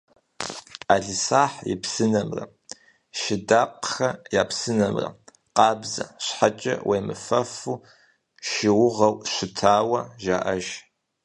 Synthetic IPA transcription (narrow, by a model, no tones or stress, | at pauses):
aːɮɨsaːħjɪ̰psɨnɐmrɐ̰ | ʃɪdaːqxɐjaːpsɨnɐmrɐ̰ | qɑːbzɐɕħat͡ʃʼɐ̰wʔejmɨfɐfuː | ʃɪwʊʁɐwɕʷɪtʰaːwɐʒa̰ːʔɐʒ